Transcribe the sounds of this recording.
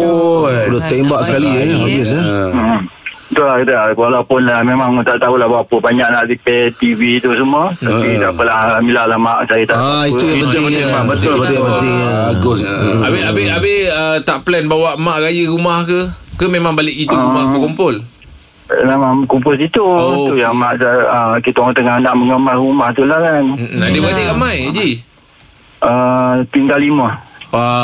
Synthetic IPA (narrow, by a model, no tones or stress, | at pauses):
oudʊt̪embaʔsə̥kalieabɪs̬a | t̪ulahkit̪awalawpʊnamemaŋt̪aʔt̪aulahbapəbaɲaʔnaʔdipet̪ivit̪usumət̪apid̪aʔpəlahəmilaʔlahmaʔsajit̪aʔait̪ujabənt̪ɪɲabət̪it̪ujãpənt̪ɪŋaɡʊsabiabɪabɪhət̪aʔplɛnbawaʔmaʔɾajəɾumahkəkəmemãŋbalɪʔɡituɾumahkumpʊl | namakumpʊlsit̪uot̪ujaŋmaʔsaəkit̪ot̪əŋahnaʔməŋəmarumaht̪ulahkanm̩nadəbad͡ʒiʔɾamajd͡ʒi | ʔət̪iŋɡalːiməa